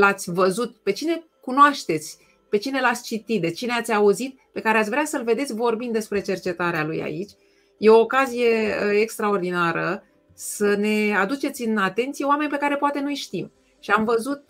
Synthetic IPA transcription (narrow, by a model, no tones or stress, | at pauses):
lat̪sʲvəzut̪pe̞t͡ʃine̞ | kunoaʃt̪e̞t̪sʲ | pe̞t͡ʃine̞lat̪sʲt͡ʃit̪it̪̚d̪e̞t͡ʃineat̪sʲauzit̪̚ | pe̞kaɾe̞at̪sʲvɾeasəlve̞d̪esʲvo̞rbind̪e̞spɾe̞t͡ʃe̞rt͡ʃe̞t̪aɾealuja̰it͡ʃʲ | je̞o̞ːkazije̞əekst̪ɾao̞rd̪inaɾə | səne̞ad̪ut͡ʃe̞t̪sʲɨnat̪e̞nt̪sijeoame̞nʲpe̞kaɾe̞poat̪e̞nujʃt̪im | ʃiamvəzut̪̚